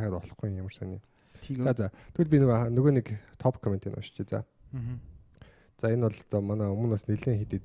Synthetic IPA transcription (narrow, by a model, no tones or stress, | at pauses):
ʁaːt̪ɔɮɞ̆χɡujjamə̆rsœniː | t͡saːt͡sat̪ʰeɮp̬ʲinnɵɣoːnekt̪ʰɔpkʰɔment̪iːnɔ̰ʃt͡ɕeːt͡sa̰ | t͡saenwɔɮt̪ɔmanaːɵmɵ̆naːsneɮeːŋxet̪eːt̪